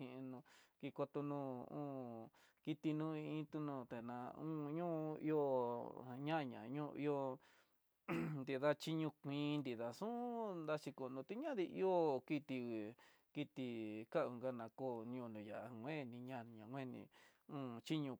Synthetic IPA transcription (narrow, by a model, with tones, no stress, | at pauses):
ĩ˧nũ˧ki˧ko˧t̪o˧nũ˧ṵ̃ː˦ | ki˧t̪i˧nũ˦ĩ˧ĩ˦t̪u˧nũ˧˨t̪e˨nã˧ũ˦ɲũ˦ḭ˧o˦˧ | ɲã˦˧ɲã̰˨ɲũ˦˧ḭ˧o˦˧ | nd̪i˧ða˦t͡ʃi˦ɲũ˧kʷĩː˧˦˧nd̪i˨ða˨sũ˦nd̪a˧t͡ʃi˧ko˨nũ˧t̪i˦ɲã˦ði˧ʔi˦o˦ki˦t̪i˧i˨ | ki˧t̪i˧ka˦˨u˧ŋɡa˧nã˧ko˧n˧ũ˧˨nũ˨ja˨a˧ŋʷẽ˦˨˧nĩ˧ɲã˧˨ɲã˨ŋʷẽ˦nḭ̃˧ũː˦t͡ʃi˦ɲũ˧